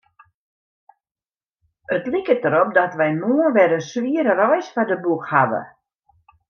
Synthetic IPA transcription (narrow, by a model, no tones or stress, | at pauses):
ətlikətəɾɔp̚dɔtʋɛjmuənʋɛdəsʋiəɾərɔjsfɔdəbukhaʋə̰